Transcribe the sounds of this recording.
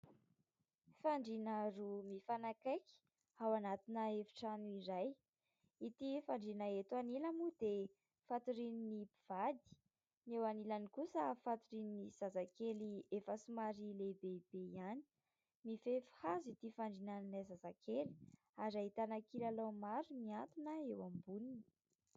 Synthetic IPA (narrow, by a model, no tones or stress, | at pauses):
faɳɖ͡ʐinaɾumifanakajki̥ | awanat̪inəevi̥ʈ͡ʂanuiɾaj | it̪ifaɳɖ͡ʐinəet̪uaniləmud̪̥e | fat̪uɾininipiv̥ad̪i̥ | newanilanikusəfat̪uɾininiz̥azakeliefəsumaɾilebeb̥eiani̥ | mifefi̥hazit̪ifaɳɖ͡ʐinannazazakʰeli̥ | aɾait̪anakilalomaɾumiant̪unəewambunini̥